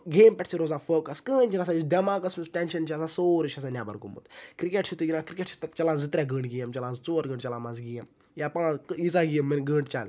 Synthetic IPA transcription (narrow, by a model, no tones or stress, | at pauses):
ɡeːmpʲɛʈʰsiɾoːzaːfoːkɐskəːnʲt͡ʃʰiɾasaːid̪ɐmãːkɐsmusʈɛnʃɐnt͡ʃʰiɐsasoːɾt͡ʃʰɐs̬aːnʲaːbɐ̰ɾɡṵmṵt̪kɾikeʈt͡ʃʰut̪uɡinãkɾikʲeʈsʰi̥t̪ɐt͡ʃɐlaːzɨt̪ɾʲaɡəːɳɖɡijɐmt͡ʃɐlãːzt͡soːɾɡəːɳɖt͡ʃɐlaːmazɡijɐm | japãːit͡saɡijɐmːɐnɡəːɳɖt͡ʃaːl